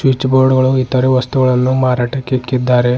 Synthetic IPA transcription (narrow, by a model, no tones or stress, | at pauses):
sʋit͡ʃːboːɾɖɡɐɭuit̪ːɐɾeʋɐst̪uɡɐɭɐnːumaːɾaːʈɐkːekːid̪ːaːɾe